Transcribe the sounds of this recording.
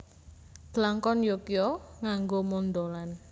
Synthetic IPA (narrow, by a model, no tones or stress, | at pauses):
d̪̥əlaŋkɔnjokijɔŋaŋɡomond̪olan